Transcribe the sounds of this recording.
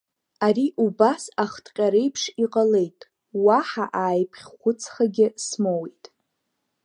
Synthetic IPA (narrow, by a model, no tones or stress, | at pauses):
aɾiʔubasaχtʰʼqʲʼaɾejpʰʂiqʼale̞jtʼ | waħaʔaːjpʰχʲχʷʊt͡sʰχaɡʲɪsmowejtʼ